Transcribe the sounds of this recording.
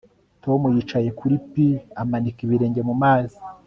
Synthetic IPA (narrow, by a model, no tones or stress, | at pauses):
to̞mujit͡ʃaje̞kʰuɾipiamanikiβiɾe̞ːɲɟe̞mumaːzi̥